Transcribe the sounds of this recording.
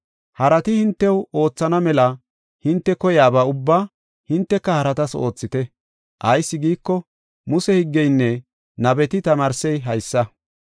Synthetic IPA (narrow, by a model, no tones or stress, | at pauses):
hɐɾɐt̪ɪhɪnt̪ːɛwo̞ːt͡sːɐnɐmɛlɐ | hɪnt̪ːɛkɔjaːbaːʊbːaː | hɪnt̪ːɛkːɐhɐɾɐt̪ɐsoːt͡sːɪt̪ɛ | ʔɐjsːɪɡiːkːɔ | mʊsɛhɪɡːɛjnːɛ | nɐbɛt̪ɪt̪ɐmaːɾsɛjɦɐjsːɐ